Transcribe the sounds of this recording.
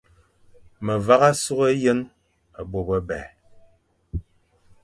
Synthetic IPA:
mə˨va˦ɣa˦su˦ɣə˦jə˦n | a˨bo˨bə˦bɛ̰˨

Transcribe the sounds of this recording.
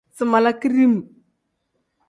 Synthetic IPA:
t͡sə˨ma˨la˦ki˦ɾi˦m˨

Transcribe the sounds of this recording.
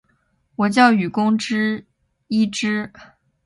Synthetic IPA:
wɔ˨˩t͡ɕjɑ˥˩ʊy˨˩kʊ˥ŋʈ͡ʂɻ̩˥ | i˥ʈ͡ʂɻ̩˥

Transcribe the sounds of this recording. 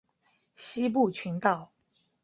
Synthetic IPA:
ɕi˥p̬u˥˨t͡ɕʰi˧˥nt̪ɑ˥˨ʊ

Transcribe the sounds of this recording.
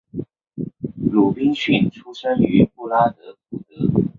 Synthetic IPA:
lu˨˩pi˥nɕy˥˩nʈ͡ʂʰu˥ʂə˥ny˧˥pu˥˩la˥t̪ɤ˧˥pu˥˩t̪ɤ˧˥

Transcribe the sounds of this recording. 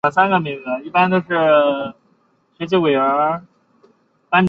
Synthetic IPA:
ə˧˩sa˥nɡə˨mi˧˥ŋd͡z̩˧i˥˩pa˥nt̪o˥ʊʂɻ̩˥˩ | ɕɛ˧˥t͡ɕi˥˩we˨˩ɪə˞˧˥ | pa˥n

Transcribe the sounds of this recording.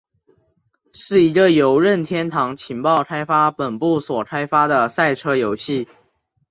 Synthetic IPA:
ʂɻ̩˥˩i˧˥ɡə˧jo˧˥ʊɻə˥˩nt̪ʰjɛ˥nt̪ʰɑ˧˥ŋt͡ɕʰi˧˥ŋpɑ˥˩ʊkʰa˥ɪfa˥pə˨˩npu˥˩swɔ˨˩kʰa˥ɪfa˥d̪ə˨sa˥˩ɪʈ͡ʂʰɤ˥jo˧˥ʊɕi˥˩

